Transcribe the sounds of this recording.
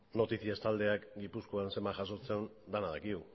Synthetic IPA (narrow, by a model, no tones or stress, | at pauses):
no̞t̪isiest̪ald̪e̞akɡipuskoanse̞mbaʝaso̞t͡se̞ond̪anaðakiɣu